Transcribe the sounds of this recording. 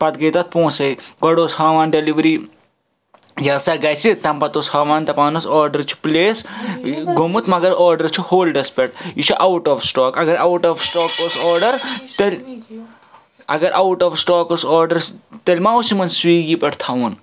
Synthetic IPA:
pɐt̪ɡɐjt̪ɐt̪̚põːsɐjɡɐɽoːshaːʋaːnɖeliʋɾiː | jɐːsɐɡɐjsit̪ɐmpɐt̪oshaːʋaːnt̪ɐpaːnɐsɔːɾɖɐɾt͡ʃʰi̥pleːs | ɡomut̪mɐɡɐɾɔːɾɖɐɾt͡ʃʰihoːlɖɐspʲɐʈ̚it͡ʃʰiʔawʈɔːfsʈɔːkɐɡɐɾawʈɔːfsʈɔːkosɔːɾɖɐɾt̪ɐlʲ | ɐ̰ɡɐɾʔɐwʈɔːfsʈɔːkosɔːɾɖɐɾt̪ɐlʲmaːusimɐnswiːɡiːpɐʈt̪ʰaʋun

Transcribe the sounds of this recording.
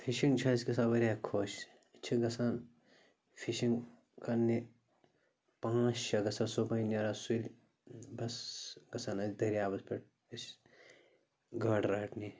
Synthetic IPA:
fʰiʃiŋɡt͡ʃʰɐskɐsabɐɾʲakʰoːʃ | t͡ʃʰiɡɐsaːn | fʰiʃiŋɡ | kɐnːi | pãːt͡ʃʃɐɡɐsansobɐnɐɾasulʲ | bɐsɡɐsaːnɐd̪ɐɾjaːbɐspʲeʈ̚ | ɐs | ɡʱɐʈɾɐːʈʰni

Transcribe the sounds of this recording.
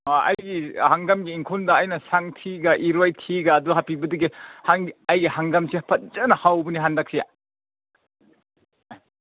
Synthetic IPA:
ɐ̰jɡihaŋɡɐmɡiːŋkʰondɐːjnɐsaŋtʰiɡɐʔiɾwajtʰiɡɐːduɦapʰibɐdɐɡihaŋɐjɡihaŋɡɐmsipʰɐt̚zɐnɐhawbɐniɦandɐk̚sija̰

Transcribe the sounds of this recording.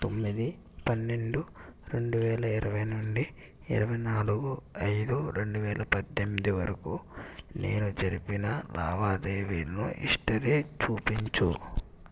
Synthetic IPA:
t̪o̞mːid̪i | pɐnːe̞ɳɖuɾe̞ɳɖuʋɛːlɐiɾɐʋɐjnoɳɖi | ḭɾɐʋɐjnaːluɡuɐjd̪uɾe̞ɳɖuʋɛːlʔɐpɐd̪ːemːid̪iʋɐɾɐkune̞̰ːnud͡ʒɐɾipinɐla̰ːbaːd̪eːʋeːɾnṵʔḭʂʈɐɾeːt͡ʃuːpiɲt͡ʃu

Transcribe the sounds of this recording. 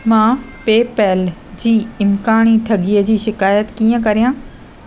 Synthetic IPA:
mãː | peːpɛːld͡ʑiːɪmkaːɽ̃iʈʰɐɠiəd͡ʑiːʃɪkaːjət̪kiːə̃kɐɾijãː

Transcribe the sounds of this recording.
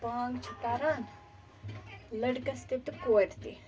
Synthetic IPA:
pãːŋɡt͡ʃʰut̪aːɾaːn | lɐɖkɐst̪ip̚t̪koːʈ̪t̪i

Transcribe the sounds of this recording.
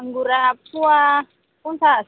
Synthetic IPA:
ŋɡuɾapuwa | unsa

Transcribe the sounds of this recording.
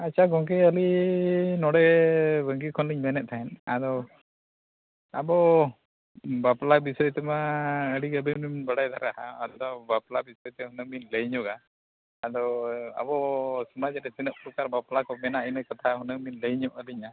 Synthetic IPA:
at͡ʃʰaɡɔŋk̬ɛəli | nɔɽɛbəŋɡikʰɔnliɲmɛnɛt̪̚t̪ʰaɛnad̪ɔ | abɔ | baplabisɔjt̪ɛmaəɽiɡəbɛmiɲnbaɽajd̪ʱaɾaɦaːd̪ɔbaplabisɔjɔt̪ɛɦunəŋminləɲɔɡaː | d̪ɔa̰bɔsɔmad͡ʒɾɛsinəʔ̚pɾɔkaɾbaplakɔmɛnaʔinəjkɔt̪ʰaɦunəŋminləjɲɔʔəliɲa

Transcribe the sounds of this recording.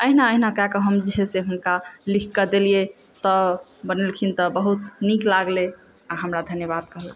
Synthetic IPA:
əɦinaəɦinakakəɦəmd͡ʒiɦeseɦunkalikʰkəd̪eliet̪ɔbənelkʰint̪ɔbəɦut̪niklaɡle | aɦəmɾad̪ʱənjəβad̪̚kəɦəl

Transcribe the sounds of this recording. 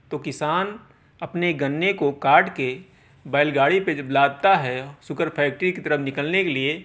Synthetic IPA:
t̪okɪsaːn | ɐpneɡɐnːekokaːɾʈke | baːɪlɡaːɽipeblaːd̪̚t̪aɦɛsʊkəɾpʰɛːk̚ʈɾikit̪əɾənɪkəlnekelie

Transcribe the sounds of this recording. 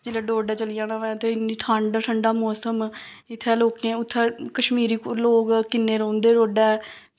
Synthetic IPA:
d͡ʒɪlɛːɖoːɖɛːt͡ʃəlɪjãːnãːʋɛt̪eːɪniːʈʰãːɳɖʈʰəɳɖaːmoːsəm | ɪt̪ʰːɛːloːkẽːʊt̪ʰːɛːkəʃmiːɾiːkloːkkɪnːeːɾõːnd̪eːɾoːɖɛː

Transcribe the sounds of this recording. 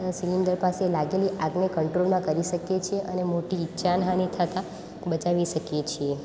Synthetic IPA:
siind̪əɾpaselaɡeliʔaɡnekəɳʈɾolmãkəɾiʃəkjet͡ʃʰeʔənemoʈiːtːʃʰanɦãnit̪ʰət̪ã | bət͡ʃaʋiʃəkjet͡ʃʰie

